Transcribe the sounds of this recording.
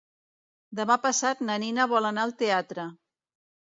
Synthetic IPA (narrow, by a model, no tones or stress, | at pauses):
d̪əmapəsat̪̚nəninəβɔlənaəlˠt̪eat̪ɾə